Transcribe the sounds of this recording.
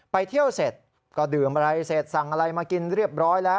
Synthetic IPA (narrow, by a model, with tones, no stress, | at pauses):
pa˧jt̪ʰi˥˩əwse˨˩t̪̚ | kɔː˥˩dɯː˨˩mɾa˧jse˨˩t̪̚sa˨˩ŋʔa˧ɾa˧jmaː˧ki˧nɾi˥˩əp̚ɾɔː˦˥jlɛː˦˥w